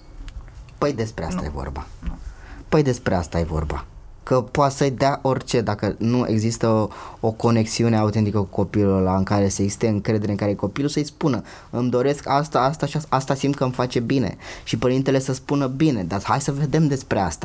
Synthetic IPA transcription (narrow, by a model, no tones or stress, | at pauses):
pəjd̪e̞spɾea̰st̪a̰jḛvo̰rba̰ | pəjd̪e̞spɾe̞ast̪ajḛvo̞̰rba̰ | kəpoat̪səjd̪aʔo̞rt͡ʃe̞d̪akənuʔe̞̰ɡzist̪əoko̞ne̞ksiune̞awt̪e̞nt̪ikəkuko̞pilullaɨŋkaɾe̞seːɡzsi̥st̪e̞ɨŋkɾe̞d̪eɾeɨŋkaɾejko̞pilusəjspunə | ɨmd̪o̞ɾe̞skast̪aast̪aʃiaast̪asimt̪̚kəɨmfat͡ʃe̞bine̞̰ʃipəɾint̪e̞le̞səspunəbine̞d̪ahajsəve̞d̪e̞md̪e̞spɾe̞a̰st̪ḁ